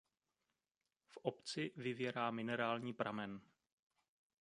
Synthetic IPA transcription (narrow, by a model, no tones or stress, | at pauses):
fʔopt͡sɪvɪvjɛɾaːmɪnɛɾaːlɲiːpɾʔa̰mɛn